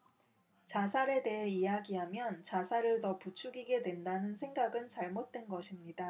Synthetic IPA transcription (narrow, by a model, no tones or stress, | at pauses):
t͡ɕasʰaɾe̞de̞ɦeijaɡiɦamjʌnt͡ɕasʰaɾɯɭtʌput͡ɕʰuɡiɡe̞dwe̞ndanɯnsʰe̞ŋɡaɡɯnt͡ɕaɭmot̚t͈we̞nɡʌɕʰimɲida